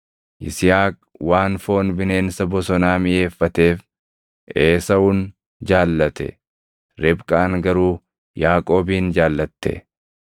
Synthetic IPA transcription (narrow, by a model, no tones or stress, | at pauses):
ʔɪsɪjaːk | waːnfo̞ːnbɪne̞ːnsɐbɔsɔnaːmɪʔe̞ːfːɐt̪e̞ːf | ʔeːsɐʊn | d͡ʒaːlːɐt̪ɛ̰ | ɾɪbkʼaːŋɡɐɾuː | jaːkʼo̞ːbiːnd͡ʒaːlːɐt̪ːɛ̰